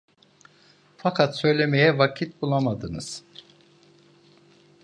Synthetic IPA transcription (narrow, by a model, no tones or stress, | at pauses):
fakʰat̪sø̞jlʲe̞mejɛvacʰit̪̚bulˠamad̪ɯnɯz̥